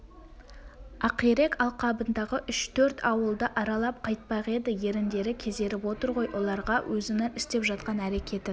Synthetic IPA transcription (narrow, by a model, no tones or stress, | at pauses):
ɑqiɾe̞kɑlˠqɑbənd̪ɑʁəʔʏʃt̪ʰɵɾt̪ʰɑwəlˠd̪əʔɑɾɑlˠɑp̚qʰɑjt̪̚pɑʁe̞d̪ɪje̞ɾɪnd̪e̞ɾɪkʲʰe̞zd̪e̞ɾɪpwo̞t̪əɾʁo̞jwʔo̞lˠɑɾʁɑwʔɵzɪnɪnɪst̪e̞pʒɑt̪̚qɑnæɾe̞kʲʰe̞t̪ɪ